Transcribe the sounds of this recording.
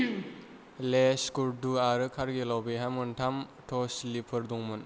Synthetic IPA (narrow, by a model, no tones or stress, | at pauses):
lesɡuɾduaɾɯkʰaɾɡilawbiɦamɯntʰamtʰɔslipʰɯɾduŋmɯn